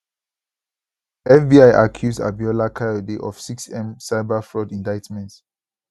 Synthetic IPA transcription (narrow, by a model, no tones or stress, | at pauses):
ɛfbiaɪʔakʰjuzda̰biɔlakʰajɔdeʔɔfsiksɛ̃msaɪbafɹɔdĩndaɪtmɛ̃nt